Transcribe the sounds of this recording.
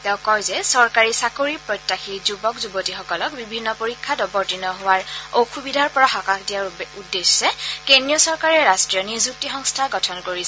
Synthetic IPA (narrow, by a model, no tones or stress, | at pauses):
tɛʊ̃kɔjzɛsɔɹkaɹisakoɹipɹɔjtːaxʰizubɔkzubotixɔkɔlɔk̚bibʱinːɔpoɹikʰːadɔbɔɹtinɔɦʊwaɹoxʰubidʱaɹpɔɹaxɔkakʰdijaɹudːesːɛkenijɔsɔɹkaɹɛɹastɹijɔnizuk̚tixɔŋstʰaɡɔtʰɔnkoɹisɛ